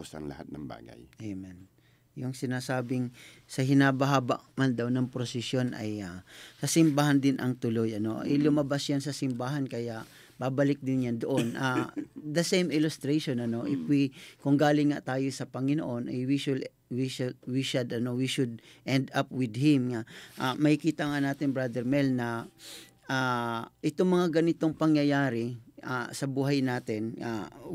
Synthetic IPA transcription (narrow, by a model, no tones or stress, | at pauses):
usa̰nlɐ̰ha̰t̪̚nɐŋba̰ːɡa̰jʔemɛn | jʊŋsɪnaːsaːbɪŋ | sɐhɪnabɐɦaːbaʔmand̪ɐwnɐŋpɾosɪsjo̞nʔɐ̰jasɐsɪmbaɦand̪ɪnʔɐŋt̪ʊlo̞jʔɐno̞ʔɐ̰jlʊmɐbasjansɐsɪmbaːɦɐnkɐjaʔ | babɐlɪk̚d̪ɪnjand̪oʔonʔad̪ɐsejmɪlʊst̪ɾejʃonɐno̞ʔɪfwikʊŋɡaːlɪŋŋːa̰ʔt̪aːjosɐpɐŋɪno̰ʔo̞nʔɐjwiʃʊl | wiʃwiʃʊd̪ɐno̞wiʃʊd̪̚ʔɛnd̪apwɪd̪̚hɪmŋaʔamɐhɪkiːt̪aŋanaːt̪ɪŋbɾad̪ɛɾmɛlnɐ | ʔaʔɪt̪oŋmɐŋaɡɐnɪt̪o̞ŋpɐŋjɐjaːɾɪʔa̰sɐbuːɦɐjnaːt̪ɪna̰